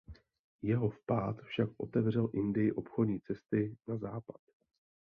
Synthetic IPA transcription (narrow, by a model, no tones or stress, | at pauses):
jɛɦo̞fpaːt̪fʃakʔo̞t̪ɛvr̝ɛlʔɪndɪjɪʔo̞pxo̞dɲiːt͡sɛst̪ɪnazaːpḁt̪